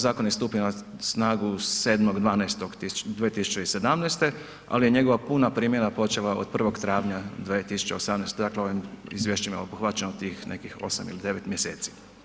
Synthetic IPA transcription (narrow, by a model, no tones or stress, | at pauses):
zaːkonist̪uːpinasnaːɡuseːd̪moɡd̪ʋaːnast̪oɡ̪id̪ʋiet̪isu̥t͡ʃeise̞d̪amnest̪e̞ | a̰lije̞ɲe̞ɡo̞ʋapunapɾiːmje̞napo̞t͡ʃelao̰d̪̚pr̩ʋo̞ɡt̪ɾaːʋɲad̪ʋet̪isu̥t͡ʃe̞osamnest̪ed̪aːkleo̞ʋimizʋjeʃt͡ɕemoopuxʋat͡ɕenot̪iːxnʔe̞̰kixo̞̰samḭlid̪e̞ʋet̪mjeseːt̪si̥